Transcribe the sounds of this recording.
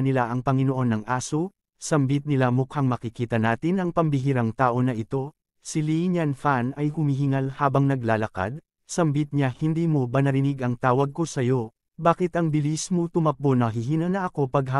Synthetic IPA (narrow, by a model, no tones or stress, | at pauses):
nɪlaʔɐŋpɐŋɪnoʔo̞nːɐŋʔaːso | sɐmbit̪̚nɪlamʊkʰaŋmɐkɪkiːt̪ɐnaːt̪ɪnʔɐŋpɐmbɪɦiɾɐŋt̪aːʔo̞nɐʔɪt̪o̞ | siliɲɐnfanɐjhʊmiɦɪŋalhaːbɐŋnɐɡlaːlɐka̰d̪̚ | sɐmbit̪̚ɲahɪnd̪iːmo̞bɐnɐɾɪniɡʔɐŋt̪aːwɐɡ̚ko̞sɐjo̞ | baːkɪt̪ɐŋbɪlismot̪ʊmɐponɐɦɪɦiːnɐnɐʔɐko̞pɐɡɦ